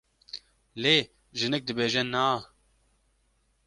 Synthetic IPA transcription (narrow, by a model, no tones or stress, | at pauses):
leː | ʒɨnɛk̚d̪ɨbeːʒɛnaː